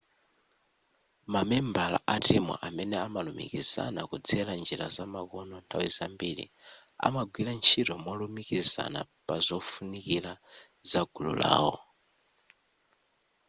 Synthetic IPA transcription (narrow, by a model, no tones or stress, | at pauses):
mamɛmbala̰ʔatʰimwɔ̰ʔamɛnɛamalumḭkiza̰nakud͡zɛland͡ʒiɾa̰zamakɔnɔntʰawizambiɾḭa̰maɡwilant͡ʃʰiɾɔmwalumikiza̰na̰ | pazɔfunikiɾa | zaɡ̥ulṵla̰ːwɔ